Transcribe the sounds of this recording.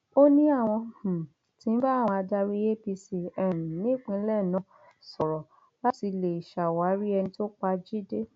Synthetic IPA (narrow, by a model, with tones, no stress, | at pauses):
o˦nĩ˦a˦˨w̃ɔ̃˧˨h̩˨ | tĩ˨˦n̩˦ba˦˨w̃ɔ̃˧a˧da˧ɾi˦e˦bi˧si˧ɛ˨ɾũ˨nĩ˦˨k͡pĩ˧˦lɛ˦˨nã˨˧ | sɔ˨ɾɔ˨ | la˦ti˧le˨i˨ʃa˨wa˨˦ɾi˦ɛ˧nĩ˧to˦k͡pa˧d͡ʒi˦de˦